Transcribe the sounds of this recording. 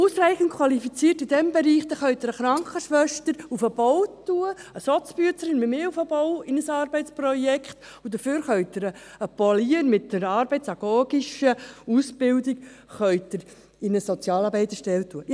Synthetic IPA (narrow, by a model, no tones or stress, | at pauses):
uːsɾæɪχənt̚kʰwɑlifit͡siːtɪd̥ɛmbɛɾiːχd̪əχœɥt̚əɾəχɾɑŋkχəʃʋœʃtəɾufəb̥ɔwtuəəsɔt͡sb̥yətt͡səɾɪnmɪmeːufəbɔwɪnəsɑːɾbɛɪt͡sprɔjɛkχt̪ | udəføːɾχœʏt̚əɾəəpoliəɾmɪtdəɾɑːɾbɛɪtsɑɡɔːɡiʃəusb̥ɪldik | χœʏtəɾ | ɪnəsɔt͡sjɑːlɑːbɛɪt̪əʃtɛltuə